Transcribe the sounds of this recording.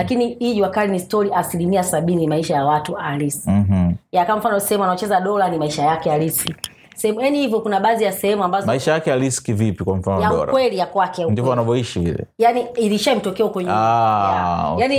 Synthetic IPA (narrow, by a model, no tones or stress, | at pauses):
lakiniiʄuwakalinistɔɾiʔasilimiasaɓinimaiʃajawatuaɾis̩m̩jakawam̩fanɔsɛhɛmuanaɔt͡ʃɛzaɗɔlanimaiʃajakɛjaliski | sɛhɛmujanihivjɔkunaɓaːzijasɛhɛmuambazɔmaiʃajakɛjaliskivipikwam̩fanɔjauɔ̰lkwɛlijakwakɛandivɔwnavɔiʃivḭlɛ̰janiiliʃam̩tɔkɛɔkwɛɲɛajani